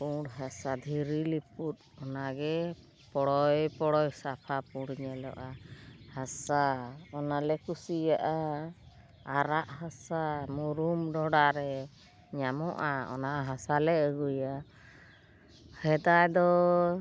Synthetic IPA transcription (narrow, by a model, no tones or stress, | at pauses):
puɽɦasad̪ʱiɾiliput̪̚ | ɔnaɡɛ | pɔɽɔjpɔɽɔjsapʰapũɽɲɛlɔ̰ʔahasaɔnalɛkusijaʔa | ɾaʔɦasamuɾumɖɔɽaɾɛ | ɲamɔʔaɔ̰naɦasalɛəɡuja | hɛd̪ajd̪ɔ